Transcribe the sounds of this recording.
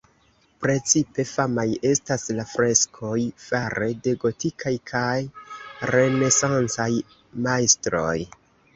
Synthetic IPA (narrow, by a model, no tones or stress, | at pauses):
pɾe̞t͡sipe̞famaje̞staslafɾe̞skʰo̞jfaɾe̞de̞ɡo̞tikʰajkʰajɾe̞ne̞sant͡saj | majstɾo̞̰j